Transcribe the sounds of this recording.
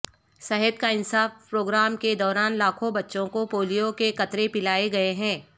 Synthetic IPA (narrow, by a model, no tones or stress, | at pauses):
sɐɦət̪̚kaɪnsaːfpɾoːɡɾaːmked̪ɔːɾaːnlaːkʰõbɐtːʃõkopoːlijokekɐt̪ɾepɪlaːeɡɐeɦɛ̃ː